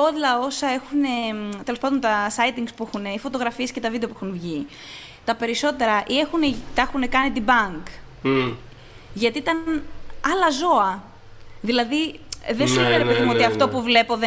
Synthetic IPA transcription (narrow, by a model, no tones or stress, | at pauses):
oðlɐo̞sɐe̞xune̞t̪e̞lo̞spɐd̪ont̪ɐsɐit̪iŋkspuexuneifo̞t̪o̞ɣɾɐfiescet̪ɐvid̪epuexunvʝi | t̪ɐpe̞ɾiso̞t̪e̞ɾɐʔie̞xunet̪ɐexune̞kɐnit̪ibɐŋk | ʝɐt̪iit̪ɐnɐlɐzo̞ɐ | ðilɐðiðesineneɾepeðimuot̪iɐftt̪o̞puvle̞po̞ðe